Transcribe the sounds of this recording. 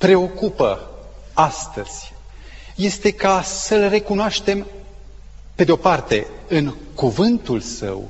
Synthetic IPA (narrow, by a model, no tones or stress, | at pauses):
pɾe̞o̞kupə | ast̪əz̥ʲ | je̞st̪e̞kasəlre̞kunoaʃt̪e̞m | pe̞d̪eo̞part̪e̞ | ɨŋ | kuvɨnt̪ulsə̰w